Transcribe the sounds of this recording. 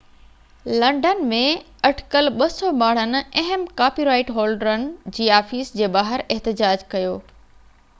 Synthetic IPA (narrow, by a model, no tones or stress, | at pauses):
lɐ̃ɳɖənmẽ | ɐʈkəlɓɐsɔːɓaːɽ̤ənɪ̆ɛɦəmkaːpiːɾaːɪʈɦoːlɖəɾənɪ̆d͡ʑiːaːfiːsd͡ʑeːbaːɦəɾɛɦt̪ɪd͡ʑaːd͡ʑkɐjoː